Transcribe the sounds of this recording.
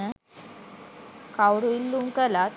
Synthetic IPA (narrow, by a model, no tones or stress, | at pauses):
ə | kawɽuilːuŋkəlat̪